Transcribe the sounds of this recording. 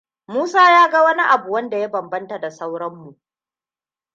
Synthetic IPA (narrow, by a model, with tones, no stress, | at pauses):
muː˦saː˦jaː˦ɡɐ˦wɐ˦ni˦ʔa˨bu˨wɐ˦nda˨ja˦bɐ˨mbɐ˦nta˨da˨sa˦wɽɐ˦mːu˨ʔ